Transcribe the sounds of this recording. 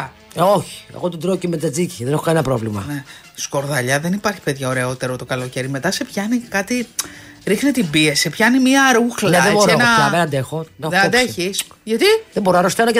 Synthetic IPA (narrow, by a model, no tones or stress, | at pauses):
oçi̥ḛɣot̪od̪ɾocemed͡z̪ɐd͡ziciðe̞ne̞xokɐnenɐpɾo̞vlimɐ̰ne | sko̞ɾðɐʎɐðenipɐɾçi̥pe̞ðʝɐo̞ɾe̞o̞t̪e̞ɾot̪o̞kɐlo̞ce̞ɾime̞t̪ɐse̞pçɐnikɐt̪i | ɾixnet̪ibiesepçɐnimiɐɾuxlneðeboɾenɐenɐd̪e̞xo̞nxeed̪eçisʝɐt̪iðeboɾonɐɾost̪enɐce